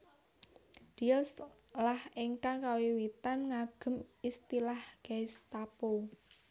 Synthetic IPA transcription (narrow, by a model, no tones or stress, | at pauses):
d̥ilslahiŋkaŋkawiwit̪anŋaɡ̥ə̤mist̪ilahɡ̥ajst̪apo